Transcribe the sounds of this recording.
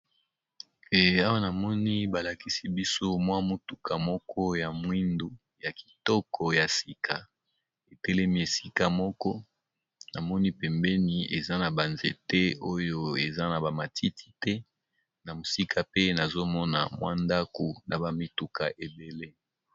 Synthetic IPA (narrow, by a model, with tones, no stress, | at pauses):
a˦wa˦na˨mɔ˦ni˦ba˨la˨ki˦si˦bi˦so˦mwa˦mu˦tu˨ka˨mɔ˦kʰɔ˦ja˨mwi˦ndo˨ | ja˨ki̥˨tɔ˦kɔ˨ja˨si˨kʰa˨ | e˨tɛ˦lɛ˦mi˦e˨si˦ka˨mɔ˦kɔ˦ | na˨mɔ˦ni˦pɛ˨mbɛ˦ni˨ḛ˨za˦na˨ba˨nzḛ˨tɛ˦o˦jo˦e˨za˦na˨ba˨ma˨tʰi˦ti̥˦tɛ˦ | na˨mo˨si˦kʰa˨pe˦na˨zo˦mɔ˦na̰˨mwa˦nda˦ko˨na˨ba˨mi˦tu˨ka̰˨ʔe˨be˨le˦